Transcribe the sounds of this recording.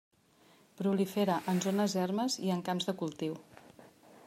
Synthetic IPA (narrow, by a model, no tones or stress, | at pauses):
pɾulifeɾəʔənzonəzɛrməziəŋkamzðəkulˠt̪iw